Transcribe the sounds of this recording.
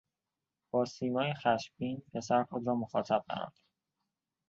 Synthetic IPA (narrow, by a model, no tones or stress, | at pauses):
b̥ɒːsiːmɒːjexæʃbiːnpʰe̞sæɾxod̪ɾɒːmoxɒːt̪ʰæb̥̚xæ̰ɾ̰nd̪̥